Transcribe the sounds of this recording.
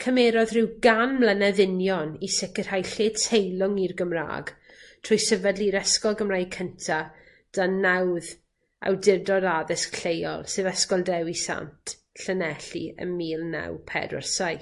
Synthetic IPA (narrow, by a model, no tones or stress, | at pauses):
kʰəmɛːɾɔðrɪwɡanmlənɛðɪnjɔnisɪkər̥hajɬeːdtʰejlˠʊŋirɡəmra̰ːɡ | tʰrʊjsəvədliɾɛskɔlˠɡəmrajkʰəntʰa | d̥anawð | a̰wdɪrdɔdaðɪskʰɬejɔ̰lˠsɨðəskɔlˠdɛwisa̰ntʰ | ɬənɛɬḭə̰miːlˠna̰wpʰɛ̰də̰rsaj